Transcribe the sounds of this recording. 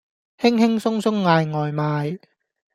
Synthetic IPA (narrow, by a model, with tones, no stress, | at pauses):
hɪ˥ŋhɪ˥ŋsʊ˥ŋsʊ˥ŋːaː˧jŋɔː˨jmaː˨˧j